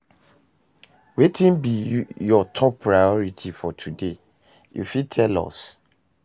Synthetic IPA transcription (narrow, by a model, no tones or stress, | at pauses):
wetĩnbijɔtʰɔpʰːɹajɔɹitʰifɔtʰude | jṵfid̚tʰɛlɔ̰s